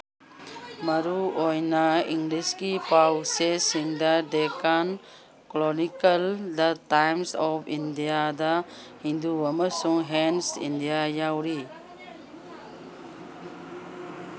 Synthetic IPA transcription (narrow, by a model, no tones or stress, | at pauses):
mɐɾuojnɐiŋɡliskipawsesiŋdɐdekan | klɔnikɐldɐtajmsɔpʰindijadɐhinduɐmɐsuŋɦensḭndijajawɾi